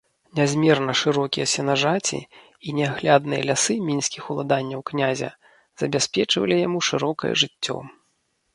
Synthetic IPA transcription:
nʲazʲmʲɛrnɐʂɨɾɔkʲijɐsʲɛnaʐat͡sʲḭ | inʲɛaɣlʲad̪nɨjɐ̰lʲasɨmʲinsʲkʲixulˠad̪anʲːɐwknʲazʲɐ̰ | z̥ɐbʲasʲpʲɛt͡ʂvɐ̰lʲijamuʂɨɾɔkɐjɛ̰ʐɨt͡sʲːɔ̰

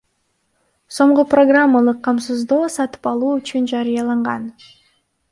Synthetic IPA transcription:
so̞ɴʁuproɡramːəlˠɯqʰːɑmsɨzd̪oːsɑt̪ɯ̥pɑlˠuːyt͡ʃynd͡ʒɑɾɨjɑlˠɑɴʁɑn

